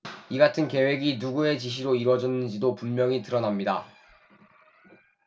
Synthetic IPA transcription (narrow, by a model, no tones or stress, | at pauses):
iɡatʰɯnke̞we̞ɡinuɡue̞t͡ɕiɕ̬ʰiɾoiɾwʌd͡ʑʌnːɯnd͡ʑidopummjʌŋitɯɾʌnamɲida